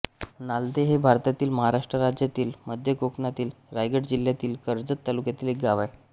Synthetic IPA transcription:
nald̪eɦebʱaɾt̪at̪iːlməɦaɾaʂʈɾəɾad͡ʑjat̪iːlməd̪ʱjəkoknat̪iːlɾajɡəʈd͡ʑiljat̪iːlkəɾd͡zət̪ːalukjat̪iːlek̚ɡaʋaj

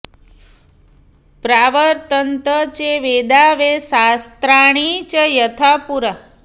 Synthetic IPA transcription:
pɾaʋəɾt̪ənt̪ət͡ʃeʋed̪aʋesast̪ɾaɽ̃it͡ʃəjət̪ʰapuɾa

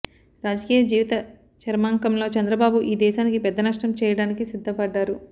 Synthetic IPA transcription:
ɾaːd͡ʒɐkiːjɐd͡ʒiːʋit̪ɐ | t͡ʃɐɾmaːŋkɐmlo̞ːt͡ʃɛnd̪ɾɐbaːbuʔiːd̪ɛːʃaːnikipɛd̪ːɐnɐʂʈɐmt͡ʃɛːjɐɽaːnikisid̪ʱːɐpɐɖːaːɾu

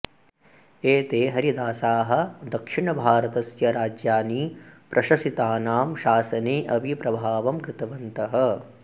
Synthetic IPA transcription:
eːt̪eːɦɐɾid̪aːsaːɦɐ̆d̪ɐkʂiɳɐbʱaːɾɐt̪ɐsjɐɾaːd͡ʒjaːniːpɾʔɐʃɐsit̪aːnaːmʃaːsɐneːʔɐbʱipɾɐbʱaːʋɐmkɾɪt̪ɐʋɐnt̪ɐɦɐ̆

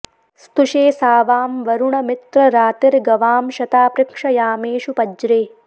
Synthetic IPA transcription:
st̪uʃeːsaːʋaːmʋɐɾuɳɐmɪt̪ɾɐɾaːt̪ɪɾɡɐʋaːmʃɐt̪aːpɾɪkʂɐjaːmeːʃupɐd͡ʒɾeː

